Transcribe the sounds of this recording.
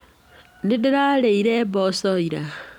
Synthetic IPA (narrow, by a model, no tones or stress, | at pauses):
nidiɾaleiɾeβosoiɾa